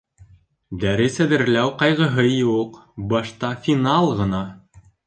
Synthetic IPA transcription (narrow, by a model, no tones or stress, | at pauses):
d̪æɾɘsæðɘ̆ɾlæwqɑjʁɤ̆ɦɤjuqbɑʃt̪ɑfʲinɑlˠʁɤ̆nɑ